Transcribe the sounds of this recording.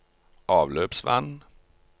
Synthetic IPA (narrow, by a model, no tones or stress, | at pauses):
ʔɑːvløːpsva̰nː